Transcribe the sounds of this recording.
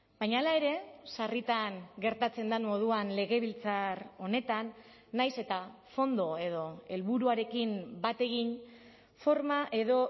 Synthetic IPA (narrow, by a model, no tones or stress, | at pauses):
bajɲaːlae̞ɾe̞sarit̪aŋɡe̞ɾt̪at͡se̞nd̪amo̞ð̞uanle̞ɣe̞β̞ilt͡saro̞ne̞t̪anː | ajse̞t̪a | fo̞nd̪o̞e̞ð̞o̞e̞lβuɾuaɾe̞kimbat̪e̞ɣ̞in | fo̞ɾmaʔe̞ðo̞